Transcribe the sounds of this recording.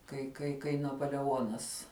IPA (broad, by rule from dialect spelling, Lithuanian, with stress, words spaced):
kɐɪ kɐɪ kɐɪ nɐpoːlʲɛˈoːnɐs